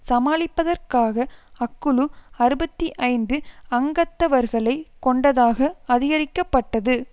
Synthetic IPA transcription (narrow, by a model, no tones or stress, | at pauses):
sɐmaːɭɪpːɐðɐɾkaːɣɐɐkːɯɭɯɐɾɯbɐt̪ːiʔɐɪnd̪ɯɐŋɡɐt̪ːɐʋɐɾɣɐɭɐɪkɔɳɖɐðaːɣɐɐðɪɣɐɾɪkːɐpːɐʈːɐðɯ